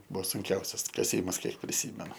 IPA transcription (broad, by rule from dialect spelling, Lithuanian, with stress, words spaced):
ˈbʊʋoː sʊŋʲˈkʲɛʊsʲɛs kɐˈsʲiːmɐs ˈkʲiɛk pʲrʲɪˈsʲiːmʲɛnʊ